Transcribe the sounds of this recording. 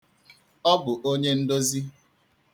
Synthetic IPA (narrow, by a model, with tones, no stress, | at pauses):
ɔ˦bʊ˨ʔo˦ɲe˦n̩˦do˦zi˦